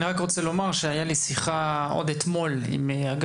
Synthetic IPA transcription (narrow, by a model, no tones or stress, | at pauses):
niʁakʁo̞t͡selo̞maʁʃeajalisiχa | o̰d̪et̪mo̞l | ḭmaɡ